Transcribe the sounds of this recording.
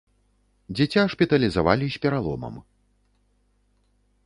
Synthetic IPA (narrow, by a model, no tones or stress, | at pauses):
d͡zʲɛt͡sʲaʂpʲit̪ɐlʲizava̰lʲisʲpʲɛɾalˠɔ̰mɐ̰m